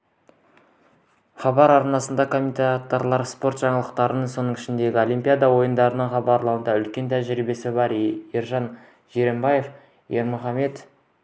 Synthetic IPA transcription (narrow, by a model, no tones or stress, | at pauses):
χɑbɑɾɑɾnɑsənd̪ɑkʰo̞mʲinʲt̪at̪ːoɾlˠɑɾspo̞ɾt̪ʒ̥ɑɴəlˠəqt̪ɑɾənəɴso̞nəɴɪʃɪnd̪e̞ɡʲɪo̞lijmʲpʲijad̪ɑwo̞jənd̪ɑɾənəɴχɑbɑɾlˠɑwənd̪ɑʏlkʲe̞nt̪ʰæʒɾibe̞sɪbɑɾiɾʒɑn | ʒe̞ɾe̞mbɑje̞f | jeɾmʊχɑme̞t̪